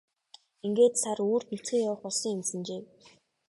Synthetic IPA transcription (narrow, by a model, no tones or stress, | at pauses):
iŋɡeːt̪saɾuːrt̪nut͡sɡeːjawə̆χʊɮsĭːŋemsə̆nt͡ɕeːw